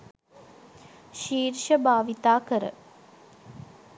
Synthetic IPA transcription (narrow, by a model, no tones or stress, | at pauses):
ʃiːɾʃəbʱaːʋit̪aːkəɾə̰